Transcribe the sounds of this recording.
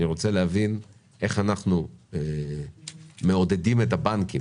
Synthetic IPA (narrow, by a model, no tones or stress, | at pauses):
niʁot͡selehavin | e̞χanaχnue | me̞o̞d̪e̞dime̞t̪abanki